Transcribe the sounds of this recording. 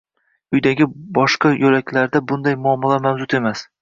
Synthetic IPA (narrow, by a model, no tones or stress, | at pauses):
ʊjd̪aɡʲɪbɒʃqɑjɵlakʲlaɾd̪abʊnd̪ajmʊɒmːɒlamawzʊt̪e̞mas